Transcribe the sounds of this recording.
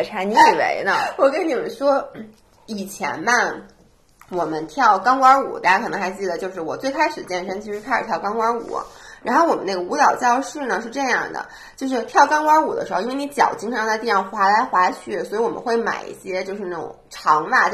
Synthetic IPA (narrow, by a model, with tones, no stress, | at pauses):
ʈ͡ʂʰa˧˥ni˧˥˨wḛ˧˥ɪnə˧wɔ˨˩kə˥nni˨˩mə˦nʂwɔ˥ | i˨˩t͡ɕʰjɛ̰˧˥nma˥˩n | wɔ˨˩mə˦nt̪ʰjɑ˥˩ʊkɑ˥ŋkwɑ˥ṵ˨˩˦t̪a˥˩t͡ɕa˥kʰɤ˨˩nɤ˧˥xa˧˥ɪt͡ɕi˥˩d̪ə˩t͡ɕjo˥˧ʊʂɻ̩˥˩wɔ˨˩t͡swe˥˩ɪkʰa˥ɪʂɻ̩˨˩t͡ɕjɛ˥˧nʂə˥ŋt͡ɕʰi˧˥ʂɻ̩˧˥kʰa˥˩ʂɻ̩ʰ˨˩jɑ˥˧ʊkɑ˥ŋkwa˥ṵ˨˩˦ | ɻa˧˥nxo˥˩ʊwɔ˨˩mə˦n˥˩ɡə˩u˧˥t̪ɑ˨˩ʊt͡ɕjɑ˥˧ʊʂɻ̩˥˩nə˩ʂɻ̩˥˧ʈ͡ʂɤ˥˧jɑ˥˩ŋd̪ə̰˩ | t͡ɕjo˥˧ʊʂ̬ɻ̩˥˧t̪ʰjɑ˥˩˧ʊkɑ˥ŋkwa˥u˨˩d̪ə̰˦ʂɻ̩˧˥˧i˥nwni˧˥t͡ɕjɑ̰˨˩ʊt͡ɕi˥ŋʰ˧˥˧t͡sa˥˧t̪̬ɑ˥˩ŋxwa˧˥la˧˥ɪxwa˧˥t͡ɕʰy˥˩swi˧˥wɔ˨˩mə̰˦nxwe˥˩ɪma̰˨˩ɪḭ˥˩ɕjɛ˥t͡ɕjo˥˧ʊʂɻ̩˥˧na˥˩ʈ͡ʂʊ̰˨˩ŋŋʈ͡ʂʰɑ˧˥ŋma˥˩